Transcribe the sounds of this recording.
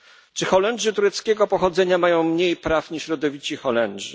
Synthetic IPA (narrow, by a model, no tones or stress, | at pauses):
t͡ʂɘxɔlɛnʐɘt̪uɾɛt̪skʲɛɡɔpɔxɔd̪zɛɲamajɔ̃w̃mɲejpɾafɲiʂɕɾɔd̪ɔvʲit͡ɕixɔlɛnʐɘ